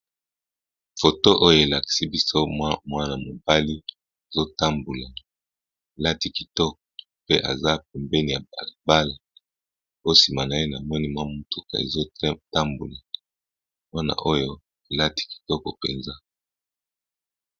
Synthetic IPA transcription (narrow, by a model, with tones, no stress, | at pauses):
fo˨to˦ʔo˦jo˦e˨la˨ki̥˨si˦bi˦so˦wa˦mwa˦na˨mo˨ba˦li˦ | e˨zo˦ta˦mbu˨la˨ | e˨la˦ti˦ki˨tɔ˦k̚ɔ˨ | pe˦ʔa˨za˦p̚ɛ˨mbɛ˦ni˨ja˨a˨lba˦la˨ | o˦si˨ma˨na˨e˦na˨mɔ˦ni˦mwa˦mu˦tu˦ka̰˨ḛ˨zo˦ta˦mbu˨la˨ | mwa˦na̰˨ʔo˦jo˦ | e˨la˦ti̥˦ki̥˨tɔ˦kɔ˨pe˨nza˦